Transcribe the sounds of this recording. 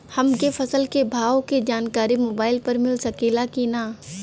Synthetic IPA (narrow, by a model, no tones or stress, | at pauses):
hɐmkefɐsəlkebʱaːoked͡ʒaːnkaːɾimoːbaːɪlpɐɾmɪlsɐkeːlakinaː